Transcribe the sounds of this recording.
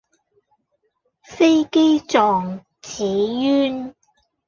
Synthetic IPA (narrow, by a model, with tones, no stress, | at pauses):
fe˥jke˥jt͡sɔː˨ŋ | t͡sʰiː˨˥jyː˥n